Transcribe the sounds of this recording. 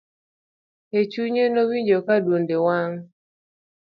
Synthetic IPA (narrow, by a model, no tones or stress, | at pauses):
et͡ʃuɲenowiɲd͡ʒokadwondewaŋ